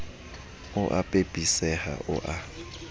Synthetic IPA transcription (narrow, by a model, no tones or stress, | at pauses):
ʊʔapʼepʼisɛha̰ʔʊ̰ʔa